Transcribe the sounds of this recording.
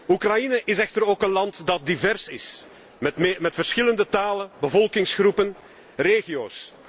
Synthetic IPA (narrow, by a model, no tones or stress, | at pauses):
ukrɑjinəʔɪsɛxtəɾoːkənlɑntdɑt̚divɛrsɪ̰s | mmmɛtfərsxɪləndətaːlənbəvɔlˠkɪŋsxrupən | reːɣioːs